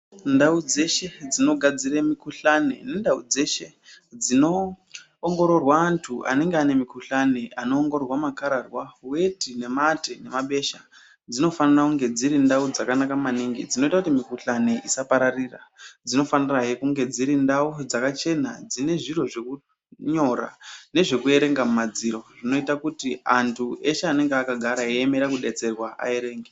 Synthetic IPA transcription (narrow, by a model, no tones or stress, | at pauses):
ndaud͡ze̞ʃe̞d͡zino̞ɡʱad͡ziremikuɬanḛnendaud͡ze̞ʃe̞ | d͡zino̞ː | ŋɡo̞ɾo̞rwaːntʰuʔa̰ne̞ŋɡeane̞mikuɬaneʔano̞ːŋɡorwamakaɾarwawe̞tine̞matene̞maɓe̞ʃa | d͡zino̞fanirakuŋɡe̞d͡ziɾindaud͡zakanakamaniŋɡḭd͡zino̞itakutimikuɬaniʔisapaɾarira̰d͡zino̞faniraɦekuŋɡe̞d͡ziɾindaud͡zakat͡ʃe̞nad͡zine̞ʐiro̞ʐe̞ku | ɲo̞ra̰ne̞ʐe̞kue̞ɾe̞ŋɡamumad͡ziɾo̞ʐino̞itakutiantʰueʃeane̞ŋɡeakaɡʱaɾaeeme̞ɾakuɗe̞t͡se̞rwaa̰e̞ɾe̞ːŋɡe